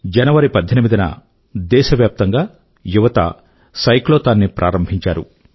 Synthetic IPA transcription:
d͡ʒɐnɐʋɐɾipɐd̪ʱːɐnimid̪ɐnɐ̰ | d̪ɛːʃɐʋjaːp̚t̪ɐŋɡaː | juʋɐt̪ɐ̰ | sɐjkloːt̪aːnːipɾʔa̰ːɾɐmbʱiɲt͡ʃa̰ːɾṵ

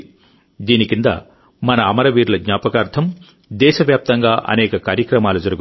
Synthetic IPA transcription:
d̪iːnikind̪ɐ̰ | mɐnɐːmɐɾɐʋiːɾlɐɡɲaːpɐkaːɾt̪ʰɐm | d̪ɛːʃɐʋjaːp̚t̪ɐŋɡaːʔɐ̰nɛːkɐkaːɾjɐkɾɐmaːlud͡ʒɐɾuɡu

